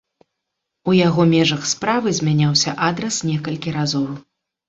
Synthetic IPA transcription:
ujaɣɔmʲɛʐɐxspɾavɨzʲmʲanʲawsʲɐʔad̪ɾɐsnʲɛkɐlʲkʲiɾazɔw

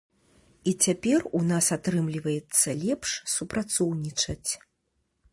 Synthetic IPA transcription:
it͡sʲapʲɛrunasat̪ɾɨmlʲivɐjɛt̪sːɐlʲɛpʂsupɾat̪sɔwnʲit͡ʂɐt͡sʲ

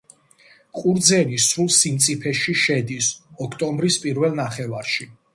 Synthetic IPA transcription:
qʼuɾd̪zɛnisɾulˠsimt̪sʼipʰɛʃiʃɛd̪isɔkʰt̪ʼɔmbɾispʼiɾvɛlˠnaχɛvaɾʃi

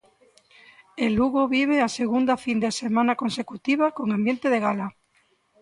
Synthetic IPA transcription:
eluɣoβiβ̞easeɣund̪afind̪esemãnakonsekut̪iβakoŋambjent̪eðeɣala

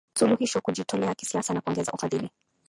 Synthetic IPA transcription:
suluhiʃɔkuʄitɔlɛaki̥siasanakuɔŋɡɛza̰ʔufaðili

